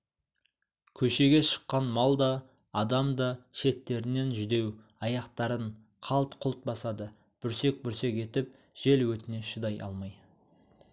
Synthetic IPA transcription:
kʲʰɵʃe̞ɡʲe̞ʃə̥qːɑnmɑlˠd̪ɑː | d̪ɑmd̪ɑʃe̞t̪ːe̞ɾɪne̞nʒʏd̪e̞w | ɑjɑqt̪ɑɾəɴ | qʰɑlˠt̪qʰʊlˠt̪̚bɑsɑd̪ə | b̥ʏɾse̞k̚bʏɾse̞ke̞t̪ɪp̚ | ʒ̥e̞lwɵt̪ɪne̞ʃəd̪ɑjʔɑ̰lˠmɑj

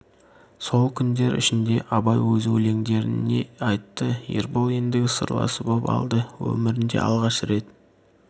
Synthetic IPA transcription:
so̞lˠkʲʰʏnd̪e̞ɾɪ̰ʃɪnd̪e̞ʔɑbɑjwɵzwɵle̞ŋd̪e̞ɾɪne̞̰ɑjt̪ːəjḛɾbolˠind̪ɪɡʲsə̰ɾlˠɑ̰səbopɑ̰lˠd̪əwɵ̰mɪɾɪnd̪e̞̰ɑ̰lˠʁɑʃɾe̞t̪

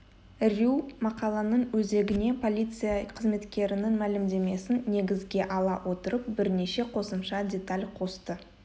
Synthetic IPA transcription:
rʲumɑqɑlˠɑnəɴwɵze̞ɡʲɪne̞pʰo̞lʲijt̪sɨjaqʰəzme̞t̪kʲe̞ɾɪnɪŋmælɪmd̪e̞me̞sɪnːe̞ɡʲɪzɡʲe̞ʔɑlˠɑwʔo̞t̪əɾəp̚bɪɾne̞ʃe̞qʰo̞səmʃɑdʲe̞t̪alʲqʰo̞st̪ə

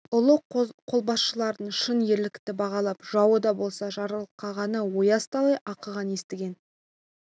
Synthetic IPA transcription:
ʊlˠəqʰo̞lˠbɑsʃəlˠɑɾd̪əɴʃənje̞ɾlɪkt̪ɪbɑʁɑlˠɑpʒ̥ɑwəd̪ɑbo̞lˠsɑʒɑɾəlˠəqːɑʁɑnəwo̞jɑst̪ɑlˠɑjʔɑqəʁɑnje̞st̪ɪɡʲe̞n

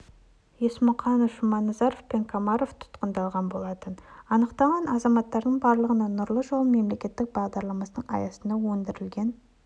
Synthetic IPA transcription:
jesmʊqɑnəfʒʊmɑnːɑzɑɾofpe̞ŋkʰamɑɾoft̪ʰʊ̥t̪qənd̪ɑlˠʁɑnbo̞lˠɑt̪ənɑnəqt̪ɑʁɑnɑzɑmɑt̪ːɑɾd̪əɴbɑɾlˠəʁənɑnʊɾlˠəʒo̞lˠəme̞mle̞kʲe̞t̪ːɪk̚bɑʁd̪ɑɾlˠɑmɑsənəɴɑ̰jɑsənd̪ɑwɵnd̪ɪɾɪlɡʲe̞n

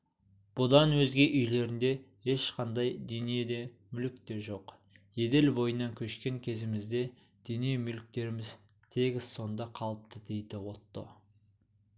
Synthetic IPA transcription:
b̥ʊd̪ɑnwɵzɡʲe̞ʔʏjle̞ɾɪnd̪e̞ | e̞ʃqʰɑnd̪ɑjd̪ɵnied̪e̞ | mʏlɪk̚t̪e̞ɾʒo̞q | je̞d̪e̞lbo̞jənːɑŋkʲʰɵʃkʲe̞ŋkʲʰe̞zɪmɪzd̪e̞ | d̪̥ɵniemʏlɪk̚t̪e̞ɾɪmɪz | t̪ʰe̞ɡʲɪzso̞nd̪ɑqʰɑlˠəp̚t̪əd̪e̞jd̪ɪwo̞t̪ːə̰

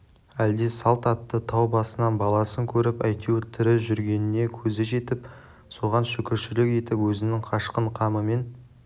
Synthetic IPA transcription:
æld̪e̞sɑlˠt̪ɑt̪ːət̪ʰɑwbɑsənɑnbɑlˠɑsəŋkʲʰɵɾɪpæjt̪ut̪ʰɪɾɪʒʏɾɡʲe̞nɪne̞kʲʰɵzɪʒe̞t̪ɪp | so̞ʁɑnʃʏkʲɪɾʃɪlɪkʲe̞t̪ɪpwɵzɪnɪŋqʰɑʃqəɴqʰɑməme̞n

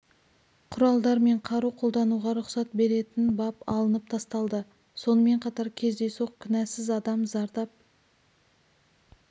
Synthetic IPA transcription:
qʰʊɾɑlˠd̪ɑɾme̞ɴqʰɑɾuqʰo̞lˠd̪ɑnuʁɑɾʊqsɑt̪̚be̞ɾe̞t̪ɪnbɑpɑ̰lˠənəp̚t̪ʰɑst̪ɑlˠd̪ə | so̞nəme̞ɴqʰɑt̪ɑɾkʲʰe̞zd̪e̞soqkʲʰʏnæsɪzɑd̪ɑmzɑɾd̪ɑp̚

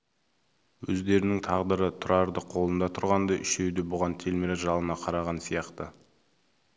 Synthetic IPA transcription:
wɵ̰zd̪e̞ɾɪnɪŋt̪ʰɑʁd̪əɾət̪ʰʊɾɑɾd̪əqʰo̞lˠənd̪ɑt̪ʰʊɾʁɑnd̪ɑʔʏʃewd̪ebʊʁɑnt̪ʰe̞lmeɾɪʒɑlˠənɑqʰɑɾɑʁɑnsijɑqt̪ə

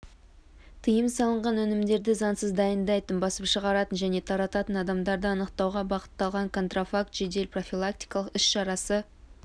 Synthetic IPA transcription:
t̪ʰəjəmsɑlˠəɴʁɑnwɵnɪmd̪e̞ɾd̪ɪzɑnsəzd̪ɑjənd̪ɑjt̪ənbɑsəpʃəʁɑɾɑt̪ənʒæne̞t̪ʰɑɾɑt̪ɑt̪ənɑd̪ɑmd̪ɑɾd̪əɑnəqt̪ɑwʁɑbɑqə̥t̪ːɑlˠʁɑŋkʰo̞nt̪rofak̚t̪ʒ̥ed̪e̞lpro̞filˠak̚t̪i̥jkɑlˠəqʏsʃɑɾɑsə

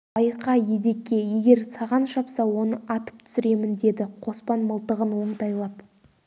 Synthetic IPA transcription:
ɑjqɑje̞d̪e̞kʲːe̞je̞ɡʲe̞ɾsɑʁɑnʃɑpsɑwo̞nəʔɑt̪ə̥pt̪ʰʏ̥sɪɾe̞mɪnd̪e̞d̪ɪqʰo̞spɑnməlˠt̪əʁənwo̞ɴt̪ɑjlˠɑp

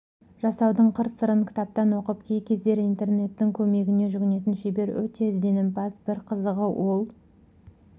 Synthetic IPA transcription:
ʒ̥ɑsɑwd̪əɴqʰəɾsəɾəŋkʲʰɪ̥t̪ɑp̚t̪ɑnwo̞qəp̚kʲʰe̞jkʲʰe̞zd̪e̞ɾijnt̪e̞rne̞t̪ːɪŋkʲʰɵme̞ɡʲɪne̞ʒʏɡʲɪne̞t̪̬ɪnʃebe̞ɾwɵ̰t̪e̞ɪzd̪e̞nɪmbɑsbɪɾqʰəzəʁəwʔo̞lˠ

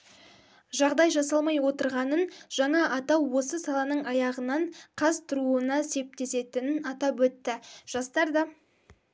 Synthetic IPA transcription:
ʒɑʁd̪ɑjʒɑsɑlˠmɑjwo̞t̪əɾʁɑnənʒ̥ɑɴɑʔɑt̪ɑwwo̞səsɑlˠɑnəɴɑjɑʁənɑɴqʰɑzt̪ʰʊɾuənɑse̞p̚t̪e̞se̞t̪ɪnɪnɑt̪ɑpwɵt̪ːɪʒ̥ɑst̪ɑɾd̪ɑ

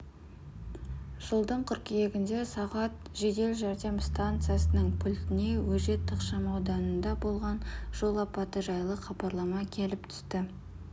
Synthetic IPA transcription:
ʒ̥əlˠd̪əɴqʰʏɾkije̞ɡʲɪnd̪e̞sɑʁɑt̪ | ʒe̞d̪e̞lʒɑɾd̪e̞mst̪ant̪sɨjasənəɴpʰʊlʲt̪ɪne̞wɵʒe̞t̪ʰːəqʃɑmɑwd̪ɑnənd̪ɑbo̞lˠʁɑnʒ̥o̞lˠɑpɑt̪əʒɑjlˠəχɑbɑɾlˠɑmɑkʲʰe̞lɪp̚t̪ʰʏ̥st̪ɪ

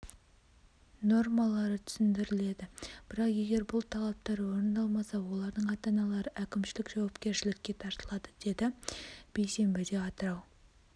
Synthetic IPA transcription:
no̞rmɑlˠɑɾət̪ʰʏ̥sɪnd̪ɪɾɪle̞d̪ɪb̥ɪɾɑqe̞ɡʲe̞ɾbʊlˠt̪ʰɑlˠɑp̚t̪ɑɾwo̞ɾənd̪ɑlˠmɑsɑwo̞lˠɑɾd̪əɴɑt̪ɑnɑlˠɑɾəʔækʲɪmʃɪlɪkʒɑwɑpkʲe̞ɾʃɪlɪkʲːe̞t̪ʰɑɾt̪əlˠɑd̪əd̪̥e̞d̪ɪb̥e̞jse̞mbɪd̪e̞ɑt̪əɾɑw

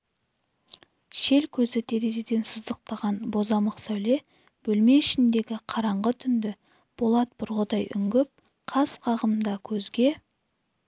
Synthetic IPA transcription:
ʃe̞lkʲʰɵzɪt̪ʰe̞ɾe̞ze̞d̪e̞nsəzd̪əq̚t̪ɑʁɑnbo̞zɑməqsæwle̞ | b̥ɵlme̞ɪʃɪnd̪e̞ɡʲɪqʰɑɾɑɴʁət̪ʰʏnd̪ɪ | b̥olˠɑt̪̚b̥ʊɾʁəd̪ɑjʔʏ̰ŋɡʲɪp̚ | qʰɑsqʰɑʁəmnd̪ɑkʲʰɵzɡʲe̞

